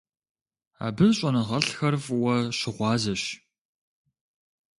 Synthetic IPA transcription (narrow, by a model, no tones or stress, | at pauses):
a̰ːbɨɕʼɐnɐʁɐɬxɐrvwɐɕɪʁʷɑːzɐɕ